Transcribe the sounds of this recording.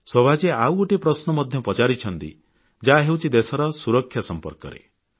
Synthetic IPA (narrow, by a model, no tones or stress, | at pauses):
sɔbʱad͡ʒeawoʈipɾɔsnɔmɔd̪ʱjɔpɔt͡ʃaɾit͡ʃʰɔnt̪ḭ | d͡ʒaɦewt͡ʃʰid̪esɔɾɔsuɾɔkʰːjasɔmpɔ̰ɾkɔ̰ɾḛ